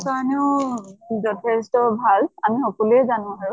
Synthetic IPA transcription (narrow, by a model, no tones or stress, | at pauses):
saanɛʊ | zɔtʰɛstɔbʱalamixɔkɔlɛzanʊ̃ɦaɹʊ